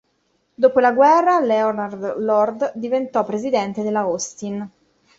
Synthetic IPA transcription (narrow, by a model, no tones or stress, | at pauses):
d̪oːpolaɡwɛrːalɛonard̪lɔrd̪d̪ivent̪ɔpːɾezid̪ɛnt̪ed̪elːaost̪in